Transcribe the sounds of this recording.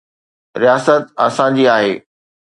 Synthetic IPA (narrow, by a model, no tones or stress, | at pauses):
ɾijaːsət̪ɐsãd͡ʑiːaːɦeː